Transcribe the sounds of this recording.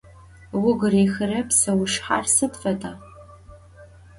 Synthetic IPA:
wʊɡriːxɨrɐpsɐwʊʂħa̰rsɨdfɐdaː

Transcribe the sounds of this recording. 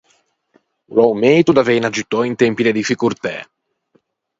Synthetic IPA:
lɔwmejt̪ud̪avejnad͡ʒit̪ɔint̪ɛmpid̪ed̪ifikuɾt̪ɛ̰

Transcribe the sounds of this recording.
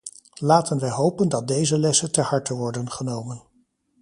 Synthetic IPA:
laːtənʋɛjɦowpəndɑt̚dejzəlɛsəntəhɑɹtəʋɔɹdənχənowmən

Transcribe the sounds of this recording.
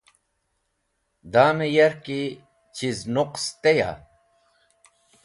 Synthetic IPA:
d̪aːmejɐɾki | t͡ɕiznuqst̪eja̰

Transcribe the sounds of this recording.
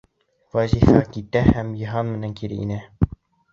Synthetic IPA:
væzʲifɑkit̪æhæmjɤ̆ɦɑnmɘ̆næŋkiɾɘ̰ḭnæ

